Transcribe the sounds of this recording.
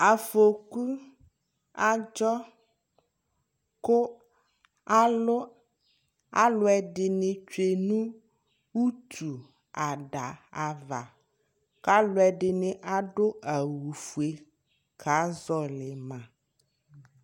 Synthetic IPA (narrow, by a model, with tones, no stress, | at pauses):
a˨fo˨ku˦ | a˦d͡ʒɔ˦ | ko˦ | a˦lo˦ | a˦lo˦ɛ˨ɖɪ˨nẽ˨t͡ʃe˨nũ˦ | wu˦t̪ʰu˨ | a˨ɖa˨a˨va̰˨ | ka˦lo˦ɛ˨ɖɪ˨nẽ˨ʔa˦ɖo˦a˨wu˨fu˨e˨ | kʰa˨˦zɔ˦lɪ˨mã˨